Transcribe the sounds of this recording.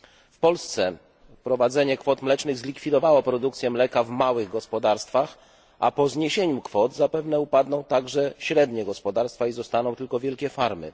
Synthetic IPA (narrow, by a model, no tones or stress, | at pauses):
fpɔlst̪sɛ | pɾɔvad̪zɛɲɛkfɔt̪mlɛt͡ʂnɘɣzlʲikfʲid̪ɔvawɔpɾɔd̪ukt̪sʲjɛmlɛkavmawɘɣɡɔspɔd̪aɾst̪fax | a̰pɔzɲeɕeɲukfɔt̪zapɛvnɛupad̪nɔ̃w̃t̪aɡʐɛɕɾɛd̪ɲɛɡɔspɔd̪aɾst̪faizɔst̪anɔ̃w̃t̪ɘlkɔvʲjɛlkʲɛfaɾmɘ̰